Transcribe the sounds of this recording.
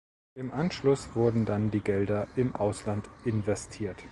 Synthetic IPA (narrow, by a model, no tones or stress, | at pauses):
ʔɪmʔanʃlʊsv̥ʊɐdn̩dandiːɡɛldɐʔɪmʔaʊslantʔɪnvɛstʰiːɐt